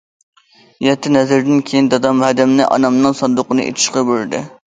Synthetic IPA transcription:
jɛt̪ʰːɪnɛzɪɾd̪ɪnkʲʰejind̪ɑd̪ɑmhɛd̪ɛmnɪʔɑ̰nɑmnɨŋsɑnd̪ʊqənɨ̰ʔḛt̪ʰɪ̥ʃqɑbøɾd̪ɪ̰

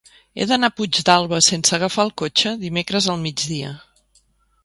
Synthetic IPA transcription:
ḛðənapud͡ʒd̪alˠβəsensəɣəfalˠkot͡ʃəðimekɾəzəlˠmid͡ʒðiə̰

